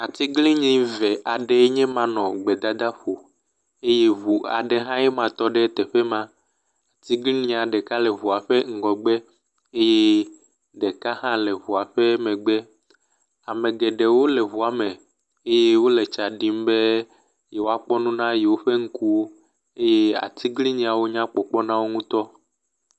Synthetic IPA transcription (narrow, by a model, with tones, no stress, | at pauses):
a˨t̪i˦ɡli˦ɲĩ˦vɛ˨ʔa˨ɖe˦ɲɛ̃˦mã˨nɔ̃˨ɡ͡bɛ˨d̪a˦d̪a˦ɸo˨ | e˦je˦βu˨a̰˨ɖe˦ɦã˦jɛ˦mã˨t̪ɔ˦ɖe˦t̪ɛ˨ɸe˦mã˦ | a˨t̪i˦ɡli˦nĩ˦a˨ɖɛ˨ka˦lɛ˨βu˨a˨ɸe˦ŋ̩˨ɡɔ˨ɡ͡be˦ | e˦je˦ | ɖɛ˨ka˦ɦã˦lɛ˨βu˨a˨ɸe˦mɛ̃˨ɡ͡bɛ˦ | a˨mɛ̃˨ɡɛ˨ɖɛ˨wo˦lɛ˨βu˨a˨mɛ̃˨ | e˦je˦wo˦lɛ˨t͡ʃa˨ɖi˨m˦be˦ | jɛ˨wo˦a˦k͡pɔ˦nũ˦nã˦jɛ˨wo˦ɸe˦ŋ̩˦ku˦wo˦ | e˦je˦a̰˨t̪ʰi˦ɡli˦ɲĩ˨a˨wo˦ɲã˦k͡pɔ˨k͡pɔ˦nã˦wo˦ŋũ˦t̪ɔ˦